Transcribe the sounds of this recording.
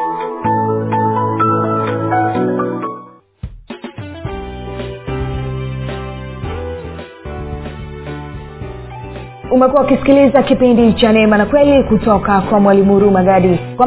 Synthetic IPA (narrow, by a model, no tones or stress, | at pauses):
umɛkuwaukisi̥kilizakipindit͡ʃanɛmanakwɛlikutɔkakwamwalimuɾumaɠaɗikwa